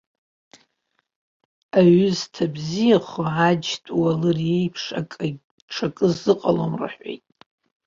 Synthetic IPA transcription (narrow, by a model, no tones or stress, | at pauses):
aɥʏztʰabzijaχʷʕad͡ʒtʼwalɨrejpʰʂa | ʈ͡ʂʰakʼɨzɨqʼalomra̰ħʷḛjtʼ